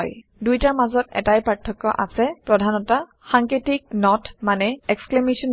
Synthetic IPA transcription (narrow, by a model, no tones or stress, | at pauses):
j | dujtaɹmazɔtɛ̰tajpɹaɹtʰːɔkːɔ̰ʔasɛpɹɔdʱanɔta | xaŋkitik̚nɔtmanɛɛksklemisɔn